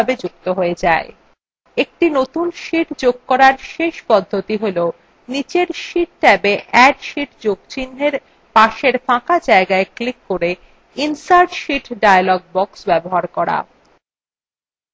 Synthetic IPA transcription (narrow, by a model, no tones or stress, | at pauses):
abed͡ʑuk̚t̪oɦoed͡ʑae | ek̚ʈinot̪unʃiʈd͡ʑoɡ̚kɔɾaɾʃeʃpɔd̪ʱːot̪iɦole | nit͡ɕeɾʃiʈ̚ʈɛbeʔɛɖʃiʈd͡ʑoɡ̚t͡ɕinːeɾ | paʃeɾfãkad͡ʑaeɡaeklikːoɾe | insaɾʈʃiʈɖajalɔɡ̚bɔksbɛboɦaɾkɔɾa̰